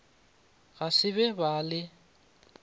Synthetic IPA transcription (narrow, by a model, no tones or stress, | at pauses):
ɣasɪβɛbalɪ